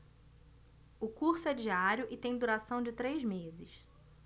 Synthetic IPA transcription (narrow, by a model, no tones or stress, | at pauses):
ʊkuɾsʊɛd͡ʒiaɾjʊʔɪt̪ẽj̃d̪uɾasɐ̃w̃d͡ʒɪt̪ɾejzmezɪs